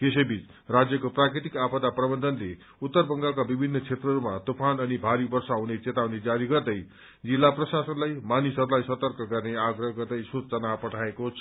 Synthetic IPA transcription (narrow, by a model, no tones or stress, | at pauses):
kesebit͡s | rad͡zjʌkoprakrit̪ikapʌd̪aprʌbʌnd̪ʱʌnle | ut̪ːʌrbʌŋɡak̬abibʱinːʌt͡sʰet̪rʌɾumat̪opʰanʌnibʱaɾibʌrsaɦunet͡set̪awned͡zaɾiɡʌrd̪ʌj | d͡zilːaprʌsasʌnlajmanisʌɾulajsʌt̪ʌrkʌɡʌrneaɡrʌɦʌɡʌrd̪ʌjsut͡sʌnapʌʈʰaekot͡sʰ